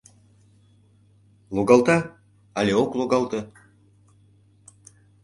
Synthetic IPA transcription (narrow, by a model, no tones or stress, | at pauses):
lˠoɡɑlˠt̪ɑ | alʲeoklˠoɡɑlˠt̪ɤ̆